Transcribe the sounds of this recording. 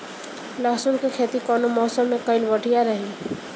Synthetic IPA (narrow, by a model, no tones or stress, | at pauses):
laːsunkekʰeːt̪ikɔːnomɔːsəmːẽkəɪlbəʈʰijaɾəɦĩ